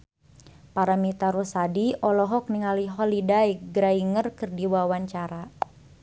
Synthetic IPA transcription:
paɾamit̪aɾusadiɔlɔɦɔk̚niŋaliɦɔlidajɡɾaiŋərkɨrdiwawaɲt͡ʃaɾa

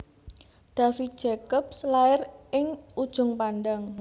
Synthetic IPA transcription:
ɖ̪̥a̤fit̪̚d̥ʒ̥ɛkɔp̚slaɪrʔɪŋud̥ʒ̥ʊ̤ŋpanɖaŋ

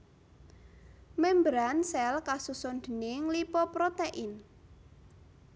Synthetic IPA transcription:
mɛmbɾansɛlkasusond̪̥ənɪŋlipɔpɾot̪eʔɪn

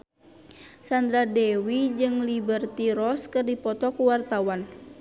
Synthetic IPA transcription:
sand̪ɾadɛwid͡ʒɨŋlibərt̪iɾɔskɨrdipɔt̪ɔkuwart̪awan

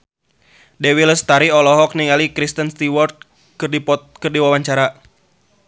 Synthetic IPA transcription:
dewiləst̪aɾiɔlɔɦɔk̚niŋalikɾist̪ənst̪iwɔrt̪̚ | kɨrdipɔt̪̚kɨrdiwawaɲt͡ʃaɾa

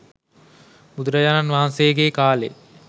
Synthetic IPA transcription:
bud̪uɾəjaːnanʋaɦansejɡeːkaːlḛ

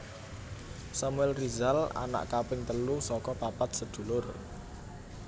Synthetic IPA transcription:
samuɛlrizala̰na̰ʔkapɪŋt̪əlusɔkɔpapat̪̚səd̪̥ṳlʊr

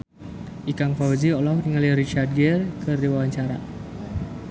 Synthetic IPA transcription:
ʔikaŋfawziɔlɔfniŋaliɾit͡ʃard̚ɡɛrkərdiwawaɲt͡ʃaɾa

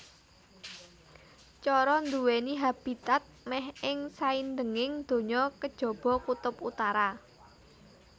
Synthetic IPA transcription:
t͡ʃɔɾɔnd̪uweniɦab̥i̤t̪at̪̚mɛhɪŋsaind̪əŋɪŋd̪̥o̤ɲɔkəd̥ʒ̥ɔ̤b̥ɔ̤kut̪ʊput̪aɾa

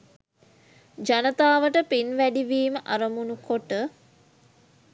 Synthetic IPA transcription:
d͡ʒanət̪aːʋəʈəpinʋæɖiʋiːməʔaɾəmunukoʈə

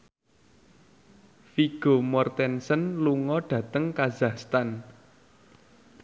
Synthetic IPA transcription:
fiɡ̥o̤mɔrt̪ɛnsənluŋɔɖ̥ä̤t̪əŋkazahst̪an

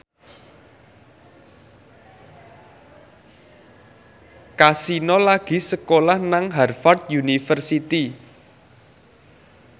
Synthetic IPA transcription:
kasinɔlaɡ̥i̤səkolahnaŋɦɛrfart̪̚junifərsit̪i

